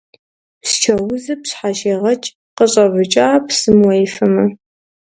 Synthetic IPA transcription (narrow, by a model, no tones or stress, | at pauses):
st͡ʃʰɐwʊzɨpɕħaʃeːʁɐt͡ʃʼ | qəɕʼɐvɨt͡ʃʼaːpsɨmwɔjfɐmɐ